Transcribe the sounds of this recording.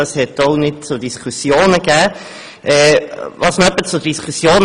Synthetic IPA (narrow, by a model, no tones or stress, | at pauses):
əshɛtonɪd̚t͡sʊd̥iskʰusjoːnəɡæː | ʔɛːvɑsnɛpːət͡sʊd̥iskʰusjoːn